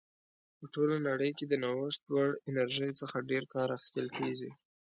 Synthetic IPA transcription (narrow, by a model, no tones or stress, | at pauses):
pəʈolanaɽəjked̪ənawəʂt̪waɽɪnaɾʒəjt͡səxaɖeɾkɑɾaxɪ̥st̪əlkeɡi